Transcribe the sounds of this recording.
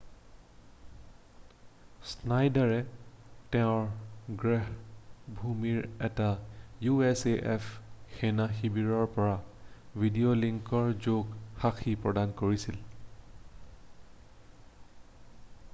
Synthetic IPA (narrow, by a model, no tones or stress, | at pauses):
snajdaɹɛtɛʊ̃ɹɡɹɛɦbʱumiɹɛtajuɛseʔɛpʰxenaxibiɹɔɹpɔɹavʱidioliŋkɔɹzoɡxaxʰipɹɔdankoɹisil